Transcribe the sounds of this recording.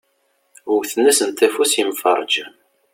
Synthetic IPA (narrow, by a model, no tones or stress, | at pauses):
əwθnæsənt̪ːæfusimfɑ̰ɾˤd͡ʒ